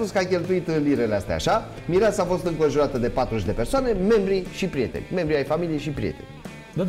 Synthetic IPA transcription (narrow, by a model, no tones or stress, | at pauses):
puskəakʲe̞lt̪uit̪ɨnliɾe̞least̪ḛa̰ʃa | miɾeasaːfo̞st̪ɨŋko̞nʒuɾat̪əd̪e̞pat̪ɾuʃʲd̪e̞pe̞rsoane̞me̞mbɾiʃipɾije̞t̪ḛnʲme̞mbɾiajfamilijejʃipɾijḛt̪e̞̰nʲ